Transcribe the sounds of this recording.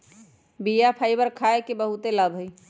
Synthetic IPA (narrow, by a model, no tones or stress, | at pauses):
bijapʰajbəɾkʰaekebəɦut̪eləbʱəj